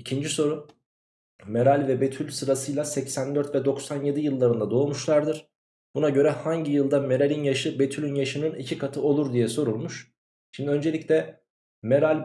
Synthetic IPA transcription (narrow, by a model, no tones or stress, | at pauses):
icʰind͡ʒiso̞ɾu | meɾalʲvɛbe̞t̪ʰylʲsɯɾasɯjlˠasɛcsænd̪øɾt̪vɛd̪o̞ksanje̞d̪ijɯlˠːaɾɯnd̪ad̪o̞ːmuʃlˠaɾd̪ɯɾ̥ | b̥unaɟø̞ɾɛhaɲɟijɯlˠd̪ame̞ɾalʲinjaʃɯbe̞t̪ʰylʲynjaʃɯnɯnicʰikʰat̪ʰɯo̞lˠuɾd̪ijɛso̞ɾulˠmuʃ | ʃimd̪iø̞nd͡ʒe̞lʲicʲlʲɛ | meɾalʲ